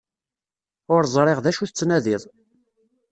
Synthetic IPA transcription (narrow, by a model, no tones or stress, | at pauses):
ʊɾzˤɾˤeʁðæʃuθət͡sːnæðiðˤ